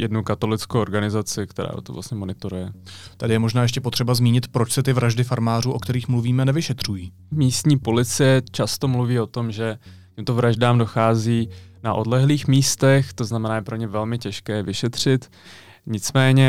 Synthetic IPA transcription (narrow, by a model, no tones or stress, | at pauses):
jɛdnukat̪o̞lɪt͡skowʔoɾɡanɪzat͡sɪkt̪ɛɾa̰ːo̰t̪o̰vla̰sɲɛmo̞nɪt̪o̞ɾujɛt̪adɪjɛmoʒnaːjɛʃ̬cɛpo̞t̪r̥ɛbazmiːɲɪt̪pɾo̞t͡ʃsɛt̪ɪvɾaʒdɪfaɾmaːruːʔo̞kt̪ɛɾiːxmluviːmɛnɛvɪʃɛt̪r̝̥ujiː | miːst̪ɲiːpo̞lɪt͡sɪjɛt͡ʃast̪o̞mluviːo̞t̪o̞mʒɛ | cɛmt̪ovɾaʒdaːmdo̞xaːziːnaʔo̞dlɛɦliːxmiːst̪ɛxt̪oznamɛnaːjɛpɾo̞ɲɛvɛlmɪcɛʃkɛːvɪʃɛt̪r̝̥ɪt̪ | ɲɪt͡smɛːɲɛ